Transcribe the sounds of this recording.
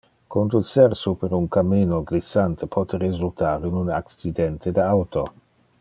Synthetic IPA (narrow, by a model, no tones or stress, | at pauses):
kond̪usɛɾsupeɾuŋkamːiːnoɡɾisant̪epʰɔt̪eɾezult̪aːɾinunaksid̪ɛnt̪ʰed̪awt̪o